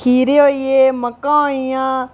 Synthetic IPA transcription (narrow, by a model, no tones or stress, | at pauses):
iːɾeɦoːieːməkːãːõijãː